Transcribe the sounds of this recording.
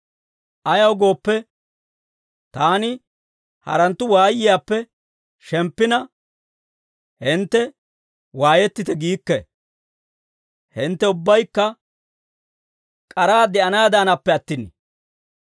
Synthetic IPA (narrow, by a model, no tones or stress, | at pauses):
ʔɐjɐwɡo̞ːpːɛ | t̪aːnɪ | hɐ̰ɾɐnt̪ːʊwaːjːɪjaːpːɛ | ʃɛmpːɪnɐ | hɪnt̪ːɛ | waːjɛt̪ːɪt̪ɛɡiːkːɛ | hɪnt̪ːɛʊbːɐjkːɐ | kʼɐɾaːd̪ɛʔɐnaːd̪aːnɐpːɛɐt̪ːɪnḭ